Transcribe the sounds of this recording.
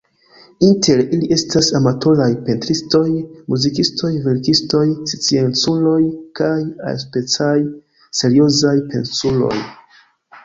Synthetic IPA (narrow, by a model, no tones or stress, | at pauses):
intʰe̞ɾiliʔe̞stasamatʰo̞lajpe̞ntɾisto̞jmuzikisto̞jve̞ɾkisto̞jst͡sient͡sulo̞jkaja̰spe̞t͡saj | se̞ɾio̞zajpe̞̰nsulo̞̰j